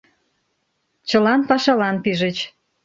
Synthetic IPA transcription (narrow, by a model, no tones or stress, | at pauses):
t͡ɕə̆lɑnpɑʃɑlɑnpiʒə̆t͡ɕ